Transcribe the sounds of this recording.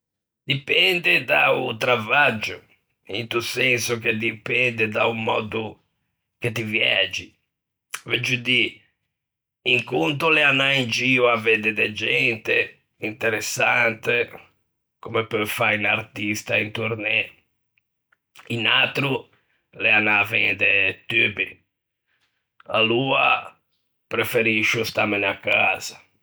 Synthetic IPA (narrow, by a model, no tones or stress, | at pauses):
d̪ipɛnd̪ed̪aut̪ɾavad͡ʒʊ | ḭnt̪usɛnsʊk̟ed̪ipɛnd̪ed̪aumɔːd̪u | ket̪ivjɛ̰d͡ʒi | vɛd͡ʒud̪i | iŋkunt̪ʊlɛanːaind͡ʒiuavɛd̪ed̪ɛd͡ʒɛnt̪e | int̪ɛɾɛsːant̪e | komepøfajnaɾt̪ist̪aint̪uɾnɛ | inat̪ɾu | lɛanːavɛnd̪et̪ybi | a̰luːa̰ | pɾefeɾiʃust̪amenakːaz̥a